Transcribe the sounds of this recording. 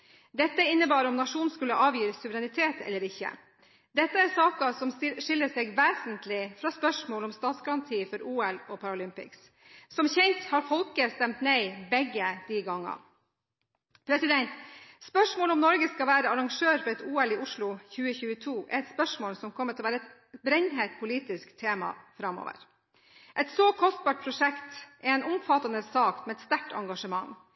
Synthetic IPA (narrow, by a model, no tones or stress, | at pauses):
d̪ɛt̪ːəɪnːəbɑːɾɔmnɑʂuːnskʉlːəʔɑːʋjiːɾəsːʉʋəɾɛnɪt̪ʰeːt̪ɛ̰lːəɾɪçːə̰ | d̪ɛt̪ːəæɾsɑːkɑsɔmʂɪlːəseːɡʋeːsənt̪lɪfɾɑːspœʂmoːlɔmst̪ɑːt̪sɡɑɾɑnt̪ʰiːfɔɾuːɛlɔpʰɑɾʊlʏmpɪ̰ks | sɔmçɛnt̪hɑːɾfɔlkəst̪ɛmt̪neɪbɛɡːəd̪̥iːɡɑŋːɑ̰ | pʰɾɛsɪd̪ɛnt̪spœʂmoːlɔmnɔɾɡəskɑʋæːɾəɑɾɑŋʂøːɾfɔɾɛt̪uːɛlɪʊʂɭʊçʉːəçʉːət̪ʰuːʔɛ̰ɾɛt̪spœʂmoːlsɔmkʰɔmːət̪ʰɛlɔʋæːɾəɛt̪ | bɾɛnɦet̪̚pʰʊliːt̪ɪskt̪ʰeːmɑ̰fɾɑmo̰ːʋə̰ɾ | ʔɛt̪soːkʰɔst̪̚bɑːʈ̚pʰɾʊʂɛkt̪ʔɛɛnʊmfɑt̪ɑnəsɑːk̪mɛɛt̪st̪æʈʰɑ̰ŋɡɑʂəmɑŋː